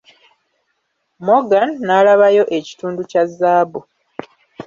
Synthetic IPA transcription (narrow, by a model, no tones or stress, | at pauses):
moɡanːalaβajo̞ʔe̞ci̥tuːnducazːaːbu